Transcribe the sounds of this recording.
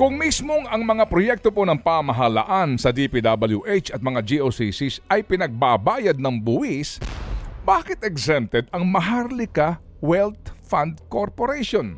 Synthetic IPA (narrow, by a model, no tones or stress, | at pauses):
kʊŋmismoŋɐŋmɐŋapɾojɛk̚t̪opo̞nɐŋpaːmɐɦɐla̰ʔansɐd̪ipid̪abɐljuʔejt͡ʃɐt̪̚mɐŋad͡ʒiʔosisisʔɐjpɪnɐɡ̚babaːjɐd̪̚nɐŋbʊʔɪs | baːkɪt̪ɛɡsɛmt̪ɛd̪̚ɐŋmɐɦaɾlɪkɐ | wɛlt̪̚fand̪̚koɾpoɾɛjʃon